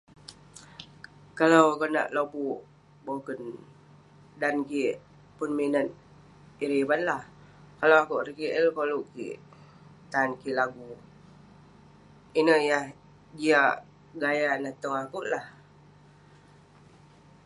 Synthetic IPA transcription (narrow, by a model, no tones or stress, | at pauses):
kalawkona̰ʔlobuʔ | bokən | dankiʔ | punminət̪̚ | iɾibanlah | kalawakuʔrikiʔəlkoluʔkḭʔ | t̪ankilaɡu | inəhjah | diaʔ | ɡajanat̪əŋakuʔlah